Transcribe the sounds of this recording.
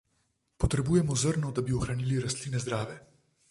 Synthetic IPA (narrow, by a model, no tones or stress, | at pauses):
pɔt̪ɾɛbuːjɛmɔzəɾnɔd̪abiɔxɾaniːliɾast̪liːnɛzd̪ɾaːʋjɛ